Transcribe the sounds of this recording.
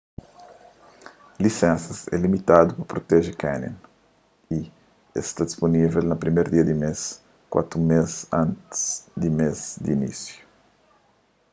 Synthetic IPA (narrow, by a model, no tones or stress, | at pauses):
lisɛ̃nsɐsɛ̰limit̪ad̪upɐpɾot̪ɛʒɪkɛnḭ̃n | i | ḛst̪ad̪isponivelnɐpɾimeɾd̪iɐd̪imes | kwa̰t̪ɾumezãnt̪sd̪imezd̪ḭnḭsju̥